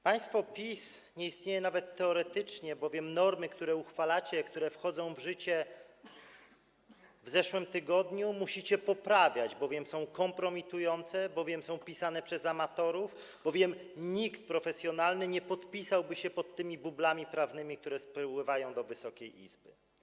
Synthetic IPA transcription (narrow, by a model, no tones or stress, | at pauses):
paj̃st̪fɔpʲisɲɛjist̪ɲejɛnavɛt̪ːɛɔɾɛt̪ɘt͡ʂɲɛbɔvʲjɛmnɔɾmɘkt̪uɾɛuxfalat͡ɕɛkt̪uɾɛfxɔd̪zɔ̃w̃vʐɘt͡ɕɛ | vzɛʂwɘmt̪ɘɡɔd̪ɲumuɕit͡ɕɛpɔpɾavʲjad͡ʑbɔvʲjɛmsɔ̃w̃kɔmpɾɔmʲit̪ujɔnt̪sɛbɔvʲjɛmsɔ̃w̃pʲisanɛpʂɛzamat̪ɔɾuf | bɔvʲjɛmɲikt̪̚pɾɔfɛsʲjɔnalnɘɲɛpɔt̪pʲisawbɘɕɛpɔt̪ːɘmʲibublamʲipɾavnɘmʲik̚t̪uɾɛspɾwɘvajɔ̃w̃d̪ɔvɘsɔkʲejʔḭzbɘ̰